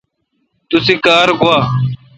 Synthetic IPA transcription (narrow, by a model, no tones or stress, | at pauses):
t̪ʊsekaːɾkoaː